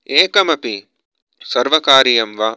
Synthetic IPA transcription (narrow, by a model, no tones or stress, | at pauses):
eːkɐmɐpi | sɐɾʋɐkaːɾijɐmʋa